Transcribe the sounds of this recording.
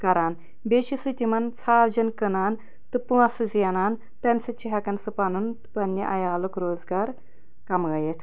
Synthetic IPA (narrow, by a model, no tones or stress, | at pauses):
kɐɾaːn | beʃisɨt̪ʲimɐnt͡sʰaːld͡ʒɐnkənaːn | t̪ɨpuɐsɨzjɐnaːn | t̪ɐnsɐt͡ʃiɦɐkɐnsɨpanunt̪pɐnːiʔɐjaːlukɾoːzɡaːɾ | kɐmɡɐjeʈ̪ʰ